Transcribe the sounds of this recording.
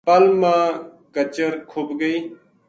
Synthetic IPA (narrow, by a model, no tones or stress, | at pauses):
pəlmãː | kət͡ʃəɾkʰoːbɡəiː